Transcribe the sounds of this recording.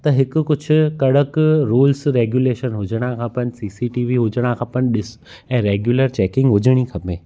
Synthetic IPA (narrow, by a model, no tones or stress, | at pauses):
t̪ɐɦɪkʊ̆kʊd͡ʑʱʊ̆kɐɽəkɾuːlsɾeːɡjuːleːʃənɦʊd͡ʑʱəɽ̃ãkʰãːpɐɲ̃ɪ̆siːsiʈiːʋiɦʊd͡ʑəɽ̃ãkʰãːpɐɲɗɪs | ɛ̃ːɾeːɡjuːləɾt͡ɕɛːkɪ̃ŋɡɦʊd͡ʑəɽ̃ikʰɐpẽː